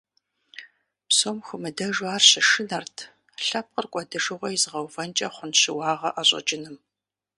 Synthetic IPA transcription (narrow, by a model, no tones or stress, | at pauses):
psoːmxʷʊmɨdɐʒwaːrɕɪʂɨnɐrtʰ | ɬɐp̚qərkʷʼɔdɨʐɨʁʷɔjizɨʁɐwvɐnt͡ʃʼɐχʷʊnɕɪwɑːʁɐʔaɕʼɐ̰d͡ʒɪnɨm